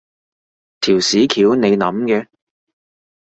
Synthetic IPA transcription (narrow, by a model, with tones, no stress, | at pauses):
t̪ʰiː˨˩wsiː˨˥kʰiː˨˥wne˨˧jnɐ˨˧˥mkɛː˧